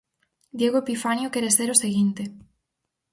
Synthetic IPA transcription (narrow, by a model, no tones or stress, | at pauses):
d̪jeɣ̞oepifanjokɛɾeseɾoseɣint̪e